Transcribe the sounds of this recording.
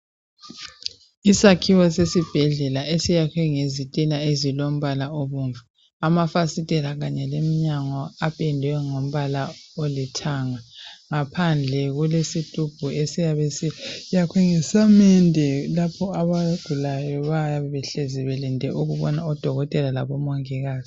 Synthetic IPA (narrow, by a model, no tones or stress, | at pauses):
isakʰiwɔsesib̥ʱɛɮɛlaesijakʰwɛŋezitʼilaezilom̩βalaoβuːnvʱu | amafasitʼɛlaɣaɲɛlemiɲaŋɔapʼɛndʱɛwɛŋom̩βalaolitʰaŋaŋapʰand͡ɮʱɛɣulesitʼub̥ʱuesijaβesijakʰwɛŋɛsamɛndʱɛlapʰɔaβaɡ̥ʱulajɔβajaβɛβɛɬɛziβɛlindʱɛʔuɣuβɔnaɔd̥ʱɔɣɔtʼɛlala̰βɔmoŋiɣaːzi